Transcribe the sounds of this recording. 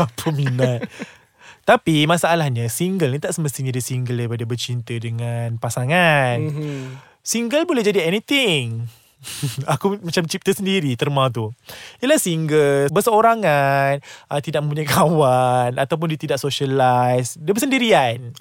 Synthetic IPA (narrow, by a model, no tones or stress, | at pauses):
apʰəminat̪̚ | t̪apimasaːlahɲasiŋɡəlnit̪aʔsəməst̪iɲadisiŋɡəldaipadabərt͡ʃint̪ədəŋanpasaŋan | siŋɡəlbulɛhd͡ʒadiɛnit̪ɪŋ | akumat͡ʃamt͡ʃip̚t̪əsəndiɾit̪ərmãt̪̬uilahsəiŋɡəlbərsəoɾaŋanʔət̪idaʔ̚mə̃mpuɲajkawanat̪awp̬ʊndit̪idaʔ̚soʃəlajsdiəbəsəndiɾian